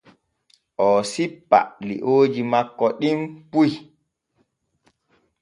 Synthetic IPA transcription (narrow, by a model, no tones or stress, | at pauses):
ʔɔːsipːa̰lḭʔoːd͡ʒimakːɔɗimpuj